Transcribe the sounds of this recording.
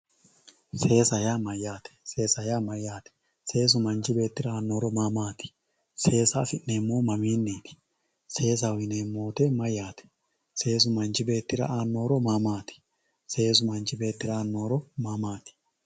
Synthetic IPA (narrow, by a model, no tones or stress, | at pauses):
se̞ːsɐjaːmɐjːaːt̪ɛ̥se̞ːsɐjaːmɐjaːt̪ɛ̥ | se̞ːs̬ʊmɐnt͡ʃɪbe̞ːt̪ːɪɾɐaːnːo̞ːɾɔmamaːt̪ɪ̥ | se̞ːsa̰ːfɪʔneːmːoːmɐmiːnːiːt̪ɪ̥ | se̞ːs̬awɪneːmːo̞ːt̪emɐjaːt̪ɛ̥ | se̞ːs̬ʊmɐnt͡ʃɪbe̞ːt̪ːɪɾɐ̰aːnːo̞ːɾɔmaːmaːt̪ɪ̥ | se̞ːs̬ʊmɐnt͡ʃɪbe̞ːt̪ːɪɾaaːnːo̞ːɾɔmaːmaːt̪ɪ̥